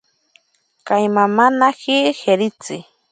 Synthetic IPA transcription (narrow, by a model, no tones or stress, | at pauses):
kajmamanahiheɾɪt͡sɪ